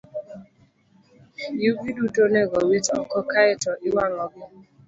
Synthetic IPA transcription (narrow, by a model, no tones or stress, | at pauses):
jubidudoneɡɔwitɔkɔkaetɔʔiwanɔbɪ